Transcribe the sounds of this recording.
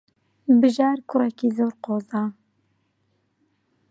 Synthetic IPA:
bɨʒɑːɾkʰʊɾɛkiːzoːɾqoːzɑː

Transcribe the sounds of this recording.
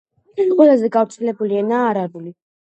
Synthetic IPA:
qʼwɛlˠazɛɡavɾt̪sʰɛlɛbulianaːɾaɾuli

